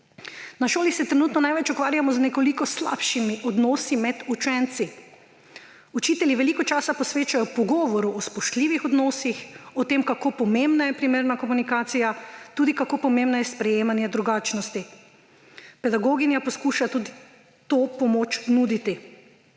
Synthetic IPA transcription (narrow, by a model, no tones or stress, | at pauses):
naʃoːlisɛt̪ɾɛnuːt̪nɔnajʋɛt͡ʃukʋaːɾjamɔznɛkɔlikɔsla̰pʃimiʔɔd̪nɔːsimɛd̪ut͡ʃɛnt̪si | ut͡ʃiːt̪ɛlʲiʋɛlikɔt͡ʃaːsapɔsʋeːt͡ʃajɔpɔɡɔːʋɔɾuʔɔspɔʃt̪liːʋixɔd̪nɔsixɔt̪eːmkakoːpɔmembnajɛpɾimeːɾnakɔmunikaːt̪sijat̪uːd̪ikakoːpɔmembnajɛspɾɛjeːmanjɛd̪ɾuɡaːt͡ʃnɔst̪i | pɛd̪aɡoːɡinjapɔskuːʃat̪uːd̪i | t̪oːpɔmoːt͡ʃnud̪it̪i